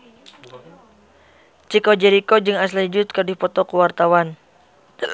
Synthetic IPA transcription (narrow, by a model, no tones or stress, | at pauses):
t͡ʃikɔd͡ʒɛɾikɔd͡ʒɨŋas̬laid͡ʒʊt̪̚kɨrdipɔt̪ɔkuwart̪awan